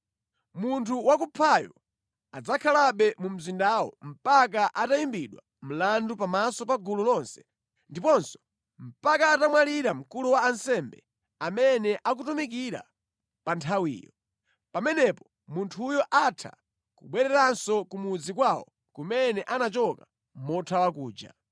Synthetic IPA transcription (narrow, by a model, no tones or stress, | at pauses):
muntʰuwakupʰajɔ | ad͡zakʰalaɓɛmum̩zindawɔ̰m̩pak̬aʔatajimbiɗwa | m̩landupamasɔpaɡululɔnsɛ̥ | ndipɔnsɔ̥ | m̩pakaːtamwaliɾam̩kuluwaːnsɛmbɛ | amɛnɛʔak̬utumik̬iɾa̰ | pantʰawḭːjɔ̰ | pamɛnɛpɔ̥ | muntʰujɔʔatʰa̰ | kuɓwɛɾɛɾansɔkumud͡zikwawɔ̰ | kumɛnɛʔanat͡ʃɔka | mɔtʰawakuːd͡ʒa̰